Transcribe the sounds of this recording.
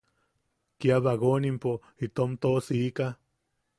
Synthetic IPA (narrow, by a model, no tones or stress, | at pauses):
kiaβaɣonimpo | it̪omt̪osiːka